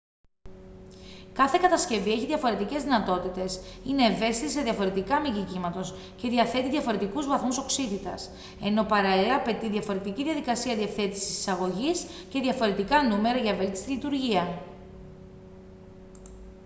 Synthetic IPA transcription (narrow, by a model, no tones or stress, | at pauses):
kɐθe̞kɐt̪ɐsce̞vie̞çiðʝɐfo̞ɾe̞t̪ice̞zðinɐt̪o̞t̪it̪e̞sine̞ːve̞st̪it̪iseðʝjɐfo̞ɾe̞t̪ikɐmiʝicimɐt̪o̞s | ce̞ðiɐθe̞t̪iðʝɐfo̞ɾe̞t̪ikuzvɐθmuso̞ksit̪it̪ɐ̰s | e̞no̞pɐɾɐliɐpe̞t̪iðʝɐfo̞ɾe̞t̪iciðʝɐðikɐsiɐðiɐθe̞t̪isi̥si̥sɐɣo̞ʝisce̞ðʝɐfo̞ɾe̞t̪ikɐnume̞ɾɐʝɐvelt̪i̥st̪ilit̪uɾʝiɐ